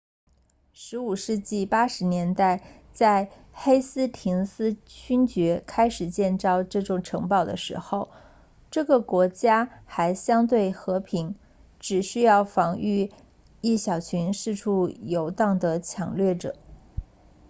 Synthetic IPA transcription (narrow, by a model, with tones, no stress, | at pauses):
ʂɻ̩˧˥u˨˩ʂɻ̩˥˧t͡ɕi˥˩pa˥ʂɻ̩˧˥njɛ˧˥nt̪a˥˩ɪ | t͡sa˥˧ɪ | xe˥ɪsɹ̩˥t̪ʰi˧˥ŋsɹ̩˥t͡ɕʰy˥nt͡ɕɥɛ˧˥kʰa˥ɪʂɻ̩˨˩t͡ɕjɛ˥˧nt͡sɑ˥˧ʊʈ͡ʂɤ˥˩ʈ͡ʂʊ˨˩ŋʈ͡ʂʰɤ˧˥ŋpɑ˥˩ʊd̪ə̰˩ʂɻ̩̰˧˥xo˥˧ʊ | ʈ͡ʂɤ˥˩ɡə˩kwɔ˧˥t͡ɕja˥xa˧˥ɪɕjɑ˥ŋt̪we˥˩ɪxɤ˧˥pʰi˧˥ŋ | ʈ͡ʂɻ̩˨˩ɕy˥jɑ˥˩ʊfɑ˧˥ŋy˥˧ | i˥˩ɕjɑ˨˩ʊt͡ɕʰy˧˥nʂɻ̩˥˧ʈ͡ʂʰu˥˩jo˧˥ʊt̪ɑ˥˩ŋd̪ə˩t͡ɕʰjɑ˨˩ŋlɥɛ˥˩ʈ͡ʂɤ̰˨˩˦